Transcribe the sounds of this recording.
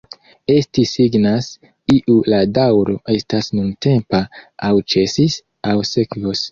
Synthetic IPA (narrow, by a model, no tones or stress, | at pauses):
e̞stisiɡnas | iʔuladawɾo̞ʔe̞stasnunte̞mpaawt͡ʃe̞sis | awsekvos